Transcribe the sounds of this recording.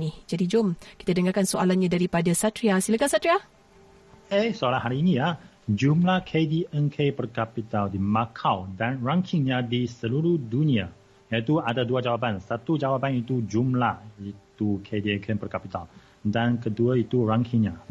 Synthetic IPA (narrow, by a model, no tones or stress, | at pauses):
nid͡ʒadid͡ʒʊmki̥t̪adəŋarkansoalanɲãdaɾipadasat̪ɾiasiləkasat̪ɾia | esəalanɦaɾiːnija | d͡ʒumlahkʰediɛnkʰepərkapit̪aldimakʰawdanraŋkʰɪŋɲãdisəluɾuhdunĩa | jait̪uadaduad͡ʒawap̬ansat̪ud͡ʒawapanit̪ud͡ʒumlahit̪ukʰediɛŋkʰɛpərkapit̪al | dankəduait̪uraŋkʰiŋɲã